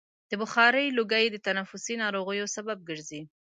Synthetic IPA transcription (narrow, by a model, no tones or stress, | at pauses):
d̪̥əbʊxɑɾəjloɡajd̪ət̪anafʊsinɑɾoɣəjosabab̚ɡəɾzi